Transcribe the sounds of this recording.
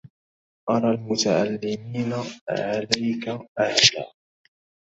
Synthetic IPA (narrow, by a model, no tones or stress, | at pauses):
ʔɑɾˤɑːlmʊt̪aʕalːɪmiːnaʕalajkaʔahla̰ː